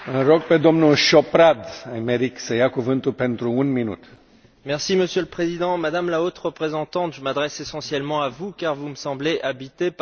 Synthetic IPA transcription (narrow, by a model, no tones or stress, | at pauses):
ɨ̃ɾoɡ̚ped̪omnulʃopɾad̪ajmeɾiksəjakuvɨnt̪ulpent̪ɾuunminṵt̪ | mɛʁsiməsjøləpχezid̪ɑ̃mad̪amlaot̪ʁəpχezɑ̃t̪ɑ̃t̪ʒəmad̪ʁɛsesɑ̃sjɛlmɑ̃avukaʁvuməsɑ̃bleʔabit̪e